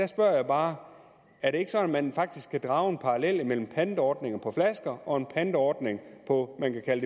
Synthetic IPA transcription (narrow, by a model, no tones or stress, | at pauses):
d̥æsb̥ɶɐ̰jäɪb̥ɑ̈ː | æɐɾe̝e̝ɡ̥ə̥sɒ̽næmænfɑ̈ɡ̥̚d̥isɡ̥kʰːæd̥ʁɑ̈ːʊe̝npʰɑ̈ʁɑlel̰imel̰m̩pʰænd̥əɒːd̥ne̝ŋɐpʰɒ̽flæsɡ̥ɐʔɒ̽e̝npʰænd̥əɒːd̥ne̝ŋpʰɒ̽mænkækʰæləde